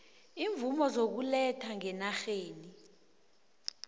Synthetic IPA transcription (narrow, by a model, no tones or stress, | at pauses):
iːɱvumɔzok̬ulɛtʰaŋɛnaxeːni